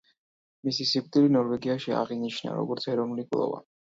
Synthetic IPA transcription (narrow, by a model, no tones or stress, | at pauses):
misisikʼt̪ʼilinɔɾvɛɡiaʃia̰ʁiniʃna̰ɾɔ̰ɡɔɾt̪sʰɛɾɔvnulikʼlˠɔ̰va̰